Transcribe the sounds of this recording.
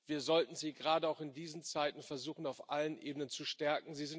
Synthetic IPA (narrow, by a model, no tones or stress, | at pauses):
viːɐzɔltn̩ziːɡəʁaːdəaʊxɪndiːznt͡saɪtn̩fɛɐzuːχn̩aʊfʔalənʔeːbənənt͡suʃtɛɐkŋ̩ziːzɪn